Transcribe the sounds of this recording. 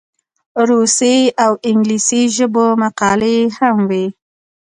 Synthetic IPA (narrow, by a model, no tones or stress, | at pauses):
ɾuseawɪŋɡlisiʒəbomaqɑlehamwi